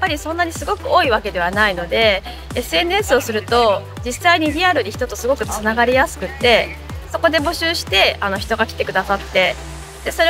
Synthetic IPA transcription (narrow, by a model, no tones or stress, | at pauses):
japːaɾʲisõ̞nːaɲ̟isɨɡo̞kɯ̟o̞ːiβake̞d̪e̞β̞anaino̞d̪e̞ | esɨe̞nɯ̟esɨo̞sɨɾɯ̟t̪o̞ | d͡ʑisːaiɲ̟iɾʲiaɾɯ̟ɲ̟ʲiçi̥t̪o̞t̪o̞sɨɡo̞kɯ̟t͡sɨnaɡaɾʲijasɨ̥kɯ̟t̪ːe̞ | so̞ko̞d̪e̞bo̞ɕɨːɕi̥t̪e̞ano̞çi̥t̪o̞ɡakʲi̥t̪e̞kɯ̟d̪asat̪ːe̞ | d̪̥e̞so̞ɾe